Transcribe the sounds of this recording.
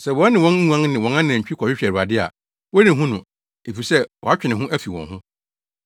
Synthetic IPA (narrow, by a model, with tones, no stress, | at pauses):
sɛ˨wɔ̃˨˦nːɪ̃˨wɔ̃˦n˦ũ˦ã˦ŋnɪ̃˨wɔ̃˨˦nã˦nɪ̃˨ã˨ɲ̩˨t͡ɕᶣi˦kʰɔ˨ɕᶣɪ˦ɕᶣɛ˨ɾu˨a˨dɪ˦a̰˨ | wɔ˦nɪ̃˨ɦʊ̃˦nʊ̃˨ | e˨fi˨sɛ˦wʔɔ˨a˦t͡ɕᶣɪ˨nɪ̃˨ɦʊ̃˦ʔæ˦fi˨wɔ̰̃˨ɦʊ̃˦